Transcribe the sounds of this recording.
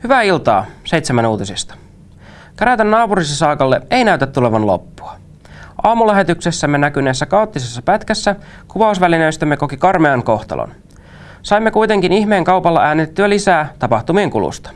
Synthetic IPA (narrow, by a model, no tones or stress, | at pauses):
hyʋæːilt̪ɑ̰ːsejt̪semænuːt̪isist̪ɑ̥ | kæɾæt̪ænːɑːpuɾisɑsɑːkɑlːee̞jnæyt̪æt̪tːule̞ʋɑnlo̰pːu̥ɑ | ʔɑːmulæɦe̞t̪yksesːæmːe̞nækyneːsːækɑot̪ːisesːɑpæt̪kæsːæ | kuʋɑusʋæline̞jst̪æmːe̞ko̞kikɑrmeɑŋko̞ht̪ɑ̰lʔo̰n | sɑjmːe̞kujt̪e̞ŋkiniçme̞ːŋkɑwpɑlːɑʔæːnet̪et̪ːyælisæːt̪ɑpɑht̪umieŋkṵlṵst̪ɑ̥